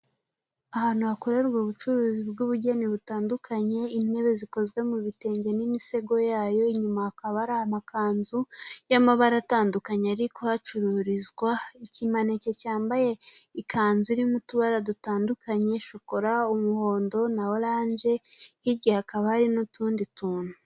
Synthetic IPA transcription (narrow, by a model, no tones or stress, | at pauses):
ahaːn̥huhakoɾaɾɡoːβut͡ʃuɾuːzibɡuβuɟeniβutaːndukʰaɲe̞ine̞βe̞ziko̞zɡwe̞muβite̞ːɲɟe̞nimise̞ɡo̞jaːjo̞iɲumahakaβaɾahamakaːnzujamaβaɾataːndukaɲeaɾikohat͡ʃuɾuɾizɡwaicimane̞ce̞caːmbaje̞ikʰaːnzuiɾimutuβaɾadutaːndukʰaɲe̞ʃokoɾaumuho̞ːndo̞nawolaːɲd͡ʒe̞hiɾjehakaβahaɾinutuːndituːnu